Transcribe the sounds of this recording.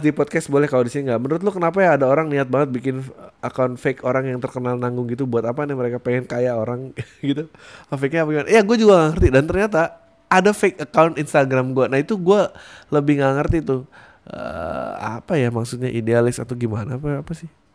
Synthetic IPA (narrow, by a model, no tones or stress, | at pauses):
dipɔd̚kɛstbolɛhkalodisiniŋɡaʔmənəɾʊt̪lʊkənap̬ajaːdaoɾaŋniat̪̚baŋət̪̚bikɪnəkawnfekʰoɾaŋjaŋt̪ərkənalnaŋɡʊŋɡit̪ubuat̪apanɛhməɾekapeŋɛnkajaoɾaŋɡit̪u | afek̚ɲaːpaɡimana̰jaɡuad͡ʒuɡaŋaŋərt̪idant̪ərɲat̪aː | dafek̚əkawnt̪inst̪aɡɾamɡuanaɦit̪uɡualəbɪhŋaŋərt̪it̪ʊ | ə̰a̰pajamaksut̪̚ɲaʔidealɪsa̰t̪oɡimanaːpaːpasɪh